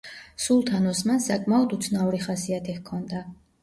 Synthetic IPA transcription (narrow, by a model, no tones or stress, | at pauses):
sulˠt̪ʰanɔsmansakʼmaɔd̪ut̪sʰnauɾiχasiat̪ʰɛkʰːɔnd̪a